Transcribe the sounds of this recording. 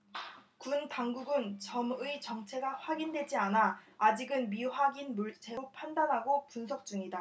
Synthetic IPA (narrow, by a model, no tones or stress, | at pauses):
kuntaŋɡuɡɯnt͡ɕʌmɯit͡ɕʌŋt͡ɕʰe̞ɡaɸwaɡindwe̞d͡ʑianaːd͡ʑiɡɯnmiɸwaɡinmuɭt͡ɕʰe̞ɾopʰandanɦaɡopunsʰʌk̚t͡ɕ͈uŋida